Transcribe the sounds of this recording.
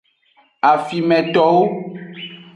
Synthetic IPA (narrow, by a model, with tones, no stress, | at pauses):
a˨fi˨mɛ̃˨t̪ɔ˨wo˦